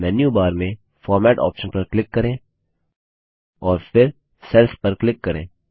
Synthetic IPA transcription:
mɛːnjubaːɾmẽ | fɔːɾmɛːʈɔ̰ːpʃənpɐɾklɪkːɐɾẽː | ɔːɾfɪɾ | sɛlspɐɾklɪkːɐɾẽː

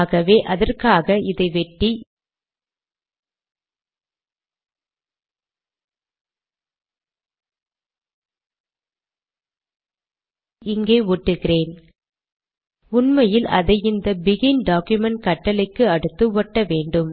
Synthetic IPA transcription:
ɣɐʋeːʔɐðɐrkaːɣɐɪðɐɪʋɛʈːi | ɪŋɡeːuʈːɯɣɪreːn | ʊnmɐjɪlʔɐ̰ðɐɪɪnd̪ɐbɪɣɪnɖaːkjʊmɛɳʈ̚kɐʈːɐlɐɪkːɯɐɽɯt̪ːɯʋɔʈːɐʋeːɳɖɯm

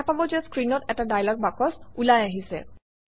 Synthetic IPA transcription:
apabɔzɛskɹinɔtɛtadajlɔk̚bakɔsulajaɦisɛ̰

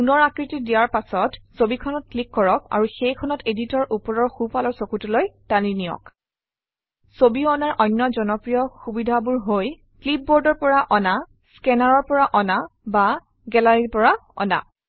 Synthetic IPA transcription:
unɔɹakɹitidijaɹpasɔtsobikʰɔnɔt̚klikːɔɹɔk̚a̰ɹuxejkʰɔnɔteditɔɹʔupɔɹɔɹxupalɔɹsokutulojtaninijɔ̰k | sobiɔnaɹʔɔjnːɔzɔnɔpɹijɔxubidʱabuɹɦoj | klip̚bɔɹdɔɹpɔɹaʔɔna | skɛnaɹɔɹpɔɹaʔɔnaba | ɡɛlaɹipɔɹaɔ̰na̰

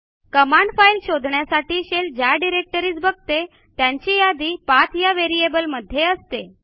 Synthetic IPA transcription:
kəmaɳɖfailɕod̪ʱɳjasaʈiːɕeld͡ʑjaɖiɾek̚ʈəɾiːt͡sbəɡ̚t̪e | t̪jaɲt͡ɕijad̪iːpat̪ʰjaʋeɾiebəlməd̪ʱːjeəst̪e

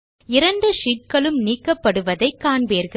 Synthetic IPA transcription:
ɪɾɐɳɖɯʂiːʈ̚kɐɭɯmniːkːɐpːɐɽɯʋɐðɐɪkːaːɳbeːɾɣɐ

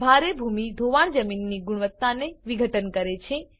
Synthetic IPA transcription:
bʱaɾebʱumid̪ʱoʋaɳ̃d͡ʒəminːiɡʊɽ̃ʋət̪ːaneʋiɡʱəʈənkəɾet͡ʃʰe

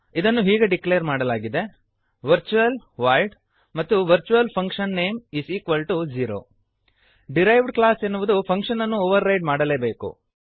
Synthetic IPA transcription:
id̪ɐnːuɦiːɡeɖiklejɐɾmaːɽɐlaːɡid̪e̞ | ʋɐɾt͡ʃuʋɐlʋaːjlɖ | mɐt̪ːuʋɐɾt͡ʃuʋɐlpʰɐŋkʂɐnːeːmisiːkʋɐlʈud͡ʒiːɾo̰ː | ɖiɾɐjʋɖklaːsenːuʋud̪upʰɐŋkʂɐnɐnːuoːʋɐɾːɐjɖmaːɽɐle̞ːbe̞ːkṵ

